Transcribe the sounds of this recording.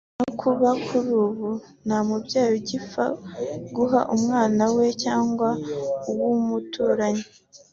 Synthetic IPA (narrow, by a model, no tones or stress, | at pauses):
nokʰuβakʰuɾuːβu | nhamubɟaːjoɟifa̰ɡuɦa̰ʔumŋaːnawe̞caːŋɡwauwumutʰuːɾaɲi